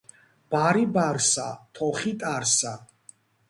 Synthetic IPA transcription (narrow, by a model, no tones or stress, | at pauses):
b̥aɾibaɾsat̪ʰɔχit̪ʼaɾsa